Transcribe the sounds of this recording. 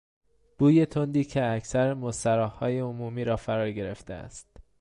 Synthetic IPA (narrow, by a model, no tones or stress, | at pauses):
b̥uːje̞t̪ʰond̪iːcʰeæcsæɾemost̪æɾɒːhhɒːje̞omuːmiːɾɒːfæɾɒːɾɟe̞ɾe̞ft̪eæ̰st̪